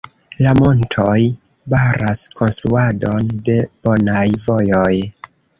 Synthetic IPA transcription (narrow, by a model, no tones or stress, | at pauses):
lamo̞ntʰo̞j | baɾʔasko̞nstɾuado̞nde̞b̥o̞najvo̞jo̞j